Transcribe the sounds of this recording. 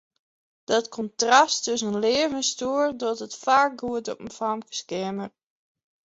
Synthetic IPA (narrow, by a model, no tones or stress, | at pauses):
d̥ɔtkʰɔntrastøsənleːvənstuərdɔtətfaːk̚ɡuətɔpən̩famkə̥skɪmər